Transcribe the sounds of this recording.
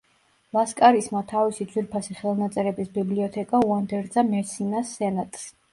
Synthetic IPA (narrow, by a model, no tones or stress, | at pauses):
lˠaskʼaɾismat̪ʰavisid̪zwiɾpʰasiχɛlˠnat̪sʼɛɾɛbisbibliɔt̪ʰɛkʼauand̪ɛɾd̪zamɛsinasːɛnat̪ʼs